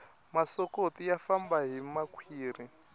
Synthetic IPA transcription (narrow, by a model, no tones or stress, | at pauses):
masɔkotijafambaɦimakʰwiːri